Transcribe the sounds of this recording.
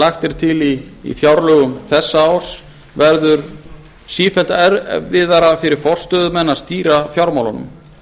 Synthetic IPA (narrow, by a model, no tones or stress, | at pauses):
laxt̪ɛɾ̥t̪ʰɪlḭːfjawɾlœɣʏmθɛsːaawr̥s | vɛɾðʏɾ | siːfɛlt̪ɛɾvɪðaɾafɪɾɪɾ̥fɔr̥st̪œðʏmɛnːast̪iːɾafjawɾmawlanʏ̰m